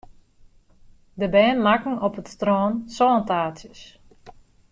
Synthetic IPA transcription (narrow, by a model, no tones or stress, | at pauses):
dəbɛːnmakŋ̩ɔpətstroːnsɔːntaːsjəs